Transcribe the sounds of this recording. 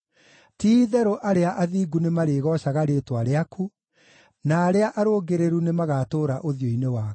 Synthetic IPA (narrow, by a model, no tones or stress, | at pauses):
tiːðɛɾoʔaɾeaʔaðiːɡunemaɾeːɣɔɕaɣaɾeːtwaɾeakʰu | naːɾeaʔaɾoːɡeɾeɾunemaɣatoːɾaʔoðjoinewaː